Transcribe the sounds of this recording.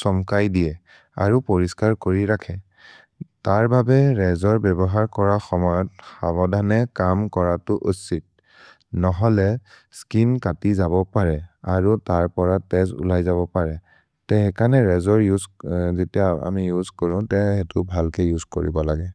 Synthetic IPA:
sɔmkajdijɛ | a̰ɹupoɹiskaɹkoɹiɹakʰɛ | taɹbabɛɹɛzɔɹbɛbɔɦaɹkɔɹaxɔmɔjɔt̚xabɔdʱanɛkamkɔɹatʊʔusit̚ | nɔɦɔlɛskinkatizabɔpaɹɛaɹutaɹpɔɹatɛzṵlajzaβɔpaɹɛ | tɛɦɛkʰanɛɹɛzɔɹjuzzetijaa̰mijuzkɔɹʊ̃tɛɛtʊbʱalkɛjuzkoɹibɔlaɡɛ

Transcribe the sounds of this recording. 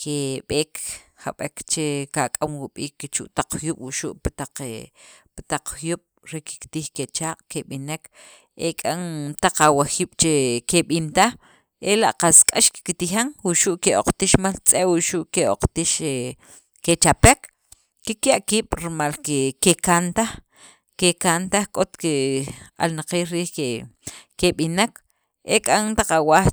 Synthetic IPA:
kʰeɓeːkʰha̰ɓekt͡ʃekakʼamwuɓiːkːet͡ʃṵʔt̪aq͡χxjuɓ̥wuʃuʔpt̪aq͡χept̪aq͡χxjuɓ̥ | ɾeki̥kt̪iːxket͡ʃaːqʼkeɓinek | ʔekʼaŋt̪aq͡χawaxiːɓ̥t͡ʃekeɓint̪a | ʔelaʔqaskʼaʃki̥kit̪ixaŋwuʃuʔkeʔoqt̪iʃmalt͡sʼeʔwuʃuʔkeoq͡χt̪iʃe | ket͡ʃapek | kekjaʔkiːɓ̥ɾimalkekekant̪ax | kekant̪axkʼot̪kea̰lnaqiːlɾiːhekeɓinak | ʔekʼaŋt̪aqawax

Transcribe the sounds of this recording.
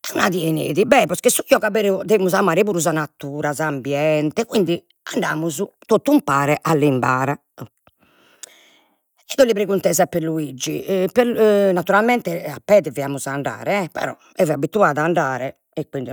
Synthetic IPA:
unaðjɛnḛːðibɛpɔskɛsuiɔɣabeɾud̪eimuzamaːɾɛpuːɾuzanat̪ːuːɾazaːmbjɛnt̪ɛkwind̪i | aɳɖaːmuzut̪ot̪ːumpaːɾɛʔalːimba̰ːɾa | ɛd̪ɔlːipɾeɣunt̪ɛzapeɾluid͡ʒːipenat̪ːuɾalmɛnt̪ɛapːɛːðɛviaːmuzaɳɖa̰ːɾɛɛpɛ̰ɾɔ̰ | ɛvɛabit̪uaːðaaɳɖaːɾɛ | ɛkːwind̪i

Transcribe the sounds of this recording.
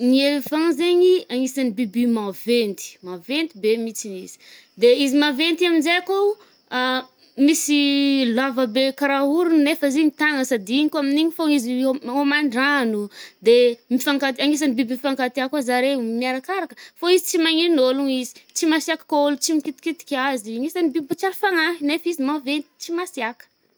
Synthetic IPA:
nievãŋzeɲiaŋisanibibimavent̪i̥mavent̪ibemit͡sinizi̥ | d̪eizimavent̪iaminzeako | misilavəbekaɾauɾunnefəzeɲit̪aŋəsad̪iɲikaminiɲifoiziomaɳɖ͡ʐanud̪emifaŋkat̪aŋis̬anibibifaŋkat̪iakazaɾemiaɾakaɾakə̥foizit͡simaŋinoluɲizi̥t͡simasiakḁkolut͡simikit̪i̥kit̪i̥kʲaziaŋisanibibit͡ʃaɾifaŋaɦinefizimavent̪i̥t͡simasiakə̥

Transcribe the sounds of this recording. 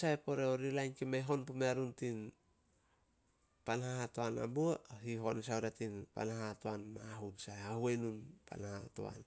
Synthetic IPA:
saepo̞ɾeoɾilajnkimeɦo̞npumeaɾuntin | panhaatoana̰buaɦiɦo̞ns̬auɾatinpa̰naɦatoanmaɦunsaeahuenunpa̰nhato̰a̰n

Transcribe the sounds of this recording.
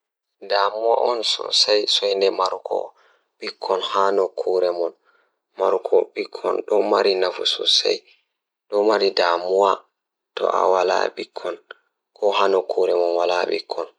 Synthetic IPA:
damuwa̰ʔɔnsɔ̰sajsɔjndɛmaɾukʰɔ̰ | ɓikʰːɔnhanɔkʰuɾɛmɔn | maɾukʰɔɓikʰːɔnɗɔmaɾinafṵsɔ̰sa̰j | ɗɔmaɾidamuwa | tɔ̰ʔa̰wala̰ɓikʰːɔn | kʰɔhanɔkʰuɾɛmɔnwalaɓḭkʰːɔn

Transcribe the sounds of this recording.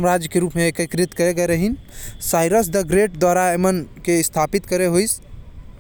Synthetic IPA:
əmɾad͡ʒjəkeɾupmeːkəkɾit̪kəɾeɡɛɾəɦinsajɾəs̬d̪əɡɾeʈ̚d̪waɾaemənkest̪ʰapit̪kəɾeɦojs

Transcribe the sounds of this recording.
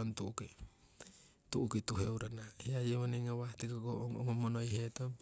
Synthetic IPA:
ontuuki | tuʔukituɦeuɾanahiajeβoneŋaβatikoɡoŋomonojɦeto

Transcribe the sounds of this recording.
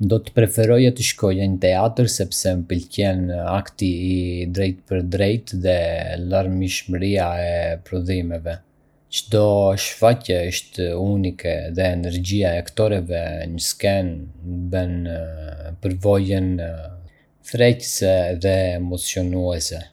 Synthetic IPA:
nd̪ɔt̪ə̥pɾɛfɛɾɔjat̪əʃkɔjaɲət̪ɛat̪əɾsɛpsɛmpəlcɛnakt̪iːd̪ɾɛjt̪̚pəɾd̪ɾɛjt̪ðɛlaɾmiʃmɾiaɛpɾɔðimɛvɛ | t͡ʃəd̪ɔʃfacɛəʃt̪unikɛðɛːnɛɾɟiaɛakt̪ɔɾɛvɛɲəskɛnbɛn | pəɾvɔjən | θɾɛcəsɛðɛːmɔt͡sjɔnuɛsɛ

